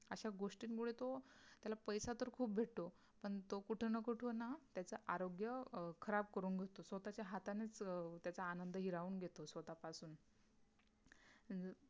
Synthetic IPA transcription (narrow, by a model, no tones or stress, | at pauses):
əɕaɡoʂʈiːnkuɽet̪ot̪jalapəjsat̪əɾkʰuːp̚bʱeʈ̚t̪o | pəɳt̪okuʈʰnəkəʈʰonat̪jat͡səʔaɾoɡjəkʰəɾab̚kəɾuːnɡʱet̪osʋət̪at͡ɕjaɦat̪anet͡st̪jat͡saːnənd̪ʱəɦiɾauːnɡʱet̪osʋət̪apasuːn